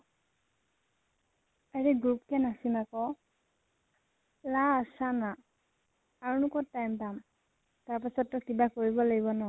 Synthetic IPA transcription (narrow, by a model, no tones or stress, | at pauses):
aɹiɡɹup̚kɛnasimakɔ | lasanaː | ɹunukɔtajmpam | taɹpasɔtːɔkibakoɹibɔlaɡibɔnɔ